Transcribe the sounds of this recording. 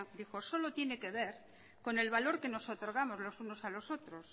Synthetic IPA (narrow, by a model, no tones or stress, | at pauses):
d̪ixo̞so̞lot̪je̞ne̞keβ̞eɾ | ko̞ne̞lβalo̞ɾke̞no̞sot̪o̞ɾɣ̞amo̞zlo̞suno̞salo̞so̞t̪ɾo̞s